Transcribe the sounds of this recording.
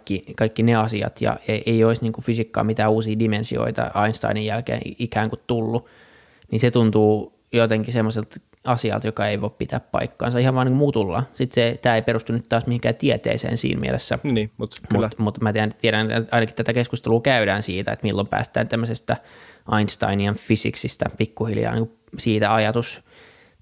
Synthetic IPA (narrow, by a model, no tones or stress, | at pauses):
kːikɑikːineɑsiɑ̰t̪jɑ̰eeioisniːŋkufysikːɑ̰ːmit̪æːuːsiːdimensio̰it̪ɑ̰ɑinst̪ɑ̰inijælkḛːnikæːŋkutt̪ulːu | ninset̪unt̪uː | jot̪eŋkisemːoselt̪ | ɑsiɑ̰lt̪jokɑeiʋoippit̪æ̰ːppɑ̰ikːɑ̰ːnsɑihɑʋɑːnːiŋkumuːt̪ulːɑ̰sit̪set̪æːeiperust̪unyt̪t̪ɑːsmihiŋkæːt̪iet̪ḛːsḛːnsḭːnmḭḛlesːænːmut̪mumut̪mæt̪eænt̪ieɾænɑinɑkit̪t̪æt̪ækeskust̪eluːkæyɾæːnsiːt̪æ̰ḛt̪milːompæ̰ːst̪æ̰ːnt̪æmːøsest̪æʔɑinst̪ɑ̰iniɑnfisḭksist̪æ̰pikːuhiljɑ̰ːnḭŋku | siːt̪æɑjɑt̪us